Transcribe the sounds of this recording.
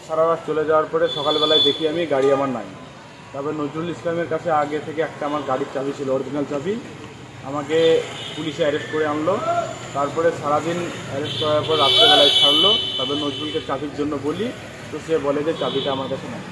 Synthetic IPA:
ʃaɾaɾast͡ɕoled͡ʑawaɾpɔɾeʃɔkalbɛlaed̪ekʰiamiɡaɽiamaɾna̰j | t̪ɔbenod͡ʑɾulislameɾkat͡ɕʰeaɡet̪ʰekeɛk̚ʈaamaɾɡaɽit͡ɕabʱit͡ɕʰiloɔɾɡʱinalt͡ɕabʱi | amakepuliʃeɛɾesʈ̚koɾeanlot̪aɾpɔɾeʃaɾad̪inɛɾesʈkɔɾaɾpɔɾeɾat̪ːebɛlajt͡ɕʰaɽlot̪ɔbenod͡ʑɾulket͡ɕabiɾd͡ʑonːoboli | t̪oʃebɔled͡ʑet͡ɕabʱiʈaamaɾkat͡ɕʰenaj

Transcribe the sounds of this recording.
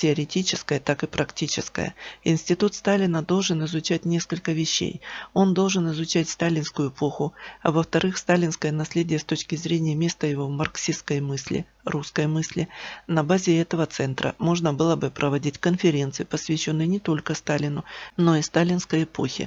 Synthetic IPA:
tʲɪɐɾʲɪtʲit͡ɕɪskəjət̪akɨpɾɐktʲit͡ɕɪ̰skə̰jə̰ɪnsʲtʲɪt̪ut̪st̪alʲɪnəd̪o̞lˠʐɨnɪzʊt͡ɕæt̚ʲnʲe̞skəlʲkəvʲɪɕːḛjo̞nd̪o̞lˠʐɨnɪzʊt͡ɕætʲst̪alʲɪnskʊjʊɪpo̞xʊɐ̰vəft̪ɐɾɨxst̪alʲɪnskəjənɐsʲlʲedʲɪjəst̪ot͡ɕkʲɪzɾʲenʲɪjəmʲe̞st̪əjɪvo̞mɐrksʲiskəjmɨsʲlʲɪ̰ | ruskəjmɨsʲlʲɪnɐbazʲɪɛt̪əvət̪sɛnt̪ɾʔə̰mo̞ʐnəbɨlˠəbɨpɾʔəvɐdʲitʲkənfʲɪɾʲe̞nt̪sɨɪpəsvʲɪɕːonːɨjnʲɪt̪o̞lʲkəst̪alʲɪnʊno̞ist̪alʲɪnskəjɪpo̞̰xʲɪ̰

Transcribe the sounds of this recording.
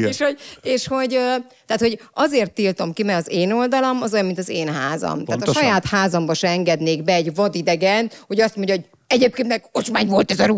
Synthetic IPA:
eʃhoeːʃho̞ɟøt̪ɛaːt̪ho̞ɟɒzeːrt̪ːilt̪o̞mkimɛɡɒzeːno̞ld̪ɒlomɒzojɒmːint̪ɒzeːnɦaːzɒ̰mt̪aːt̪ɒʃɒjaːt̪haːzɒmbɒʃɛɛŋɡɛd̪neːɡbɛːɟvɒd̪id̪ɛɡɛnhoɟɒst̪mo̞ɲɟɒɦoɟ | ɛɟeːp̚kenmɛkot͡ʃmaːɲvo̞lt̪ɛzɒɾuː

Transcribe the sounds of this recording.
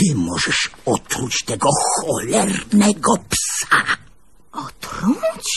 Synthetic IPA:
ɪmɔʒɛʃɔt̪ʰɾut͡ɕt̪ɛɡɔxɔlɛrnɛɡɔpsa | ɔt̪ɾut͡ɕ

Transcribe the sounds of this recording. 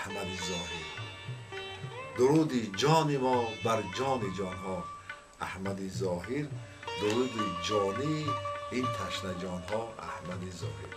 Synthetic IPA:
hmad̪izɔhiɾ | d̪uɾud̪id͡ʒɔnimɔbaɾd͡ʒɔnid͡ʒɔnɦɔ | ahmad̪izɔɦiɾ | d̪uɾud̪id͡ʒɔniint̪ʰaʃnad͡ʒɔnɦɔa̰hmad̪izɔ̰hiɾ

